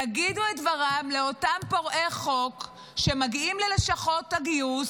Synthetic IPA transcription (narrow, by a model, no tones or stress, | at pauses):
aɡiduetvaʁamleo̞tampoʁʔe̞χo̞k | ʃe̞maɡiimleleʃaχo̞taɡius